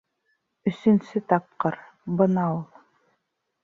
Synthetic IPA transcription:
ɵ̆sɵ̆nsɵt̪ɑp̚qɤɾ | bɤnɑulˠ

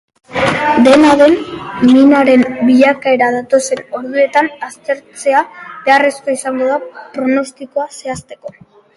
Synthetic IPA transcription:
d̪e̞naðe̞nːinaɾe̞mbiʎakae̞ɾaðat̪o̞se̞no̞ɾðue̞t̪anast̪e̞ɾt͡se̞abe̞are̞sko̞isaŋɡo̞ðapɾo̞no̞st̪iko̞ase̞ast̪e̞ko̞

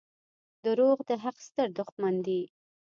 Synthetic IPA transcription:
d̪əɾoɣd̪əɦaqst̪əɾd̪ʊxmand̪i

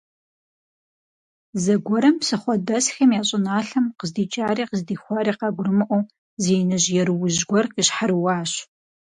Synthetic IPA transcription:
zɐɡʷɔɾɐmsɨχʷɔdɐsxɐmjaːɕʼɪnaːɬɐmqəzdiːt͡ʃʼaːɾiːqəzdiːχʷɑɾiːqɑɡʷʊrɨmɨʔʷow | ziːnɐʑjɛɾɨwʊʑɡʷɔrqəɕħaɾɨwɑːɕ

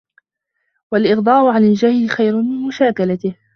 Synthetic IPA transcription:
walʔɪɣd̪ˤɑːʔʊʕanald͡ʒahlɪxajɾʊnmɪnmʊʃaːkalat̪ɪh

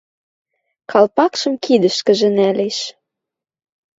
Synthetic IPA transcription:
kʰɑlpɑkʃɤ̆mkid̪ə̆ʃkə̆ʒĕnæleʃ

